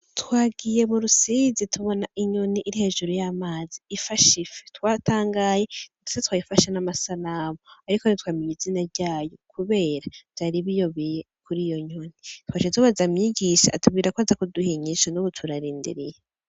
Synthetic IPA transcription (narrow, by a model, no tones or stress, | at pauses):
twaːɡije̞muɾusizitʰuβo̞naʔiɲoniʔːɾihe̞ːʒuɾujamaːziːfaʃife̥twaːtaːŋɡaːjedu̥setwaːjifaʃanamasalaːmoaɾikonitwaːmiɲizinaɾɟaːjo̞kʰuβe̞ːɾav̥jaːɾiβijoβije | kuɾijo̞ɲonitwaːʃetuβazamɲiːɟiʃaːtub̚ɡiːɾakwazakuduhiɲiʃanuβutʰuɾaɾiːndḭɾije